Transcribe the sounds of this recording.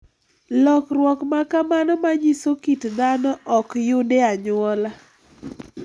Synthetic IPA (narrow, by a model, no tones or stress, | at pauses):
lɔkrwɔkmakamanɔmaɲisokitd̪anɔʔɔkjʊdeaɲʊɔla